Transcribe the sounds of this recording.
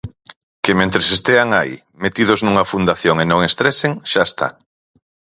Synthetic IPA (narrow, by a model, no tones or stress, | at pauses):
kemẽnt̪ɾesest̪eaŋaḭ | met̪iðoznuŋɐfund̪aθjoŋenõŋest̪ɾeseŋʃaest̪a̰